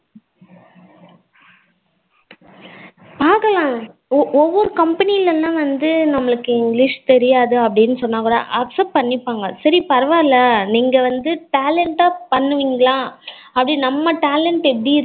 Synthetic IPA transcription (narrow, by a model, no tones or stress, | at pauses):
paːɾkɐlãː | ɔʋːɔɾɯkɐmpɐniɪlɛlːãːʋɐnd̪ɯnɐmːɐɭɯkːɯɪŋɡlɪʂt̪ɛɾɪjaːðɯɐpːɐɽɪnːɯsɔnːaːkuːɽa̰ːʔɐpsɐp̚pɐɳːɪpːaːŋɡɐsɐɾipɐɾɐʋaːɪlːɐniːŋɡɐʋɐnd̪ɯʈaːlɛɳʈaːpɐɳːɯʋiːŋɡɐɭlãː | ɐpːɐɽinɐmːɐʈaːlɛɳʈɛpːɐɽiɪɾ